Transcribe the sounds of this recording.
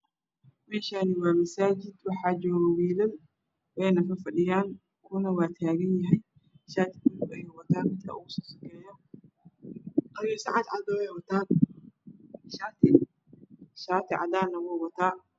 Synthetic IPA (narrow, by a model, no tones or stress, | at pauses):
mɛːʃanɪwɑːmɐsaːt͡ʃɪd̪wɑħɑːt͡ʃɔːɣɐwiːlɐl | wɛjnɐkɐfɐɗɪjaːŋ | kʰʊnɐwɑːt̪ʰaːɣɐnjɐɦɛj | ʃaːt̪ʰɪkʊlʊbɛjɛwɐt̪ʰaːmɪd̪kʰɐ̰uːsɔːsɐkʰɛːjɔ | qɑɾjɔsɑ̰ʕɑd̪ʕɑd̪ɔɛjwɐt̪ʰaːn | ʃaːt̪ʰɪ | ʃaːt̪ʰɪʕɑ̰d̪aːnɐwɔːwɐt̪ʰaː